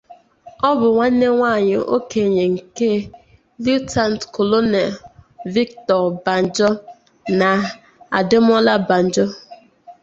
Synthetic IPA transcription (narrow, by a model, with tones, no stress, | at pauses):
ɔ˦bʊ˨ŋʷa˦ne˦ŋʷa˦˨ɲɪ˨ʔo̰˦ke˨ɲe˨ŋ̩˨ke˦ | lu˦ta˨n̩˨tko˨lo˦ne˨lvi˦ktɔ˨ɾba˨n̩˨d͡ʒɔ˦ | na˨ | a̰˨dɪ˦m˦ɔ˦la˦ba˨n̩˨d͡ʒɔ˦